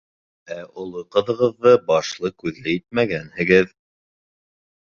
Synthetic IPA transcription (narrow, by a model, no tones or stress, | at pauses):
æŏlˠɤqɤ̆ðɤ̆ʁɤ̆ðːɤbɑʃlˠɤkʉðlɘjit̪̚mæɡænhɘ̆ɡɘð